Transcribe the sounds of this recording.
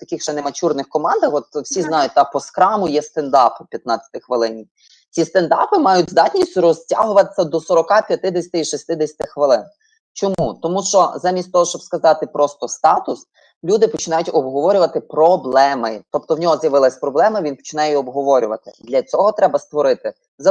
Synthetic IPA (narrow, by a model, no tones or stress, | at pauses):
t̪ɐkɪxʃɛnemɐt͡ʃurnɪxkɔmɑnd̪ɐxɔt̪wsʲiznɑjʊt̚ʲt̪ɑpɔskɾɑmʊjɛst̪end̪ɑppʲjɐt̪nɑt͡sʲɐt̪ɪxʋɪlˠɪnʲi | t͡sʲist̪end̪ɑ̰pɪmɑjʊtʲzd̪ɑtʲnʲisʲtʲʊɾɔzʲtʲa̰ɦʊʋɐt̪ɪ̥sʲːɐd̪ɔsɔɾɔkɑpʲjɐt̪ɪd̪esʲɐ̥t̪ɪiʃisʲt̪ɪd̪esʲɐ̥t̪ɪxʋɪlˠɪn | t͡ʃɔmut̪ɔmuʃt͡ʃɔzamʲist̪ʲt̪ɔɦɔʃt͡ʃɔbskɐzɑt̪ɪpɾʔɔst̪ɔst̪ɑt̪ʊs | lʲud̪ɪpɔt͡ʃɪnɑjʊtʲɔbɦɔʋɔɾʲʊʋɐt̪ɪpɾɔblˠɛmɪt̪ɔp̚t̪ɔwnʲɔɦɔzjɐʋɪlˠɐsʲpɾɔblˠɛmɪʋʲinpɔ̥t͡ʃɪnɑjɛiɔbɦɔʋɔɾʲʊʋɐ̰t̪ɪd̪lʲɐt͡sʲɔɦɔt̪ɾɛbɐst̪ʋɔɾɪt̪ɪ | zɐ